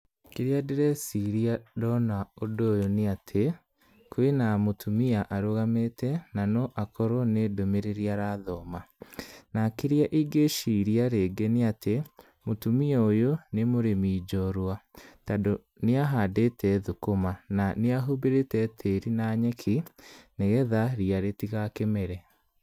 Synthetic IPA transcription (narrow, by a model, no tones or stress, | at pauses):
keɾiadeɾɛsiɾiadɔnaodoːjoneatʰe | kwenamotʰumiaʔaɾoɣametɛnanɔʔakɔɾɔnedomeɾeɾiaɾaðɔːmanakeɾiaʔiɡeʃiɾiaɾeːɡeneatʰe | motumiaojonemoɾemiːd͡ʒɔɾwatado | neaɦadetʰɛðokomananeaɦubeɾetɛtʰeɾinaɲɛkʰineɣɛðaɾiaɾetiɣakemɛɾɛ